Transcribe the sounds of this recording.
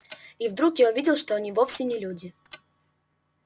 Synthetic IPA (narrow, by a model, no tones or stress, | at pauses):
ivd̪ɾukjaʊvʲidʲɪlˠʂt̪o̞ɐnʲivofsʲɪnʲɪlʲudʲɪ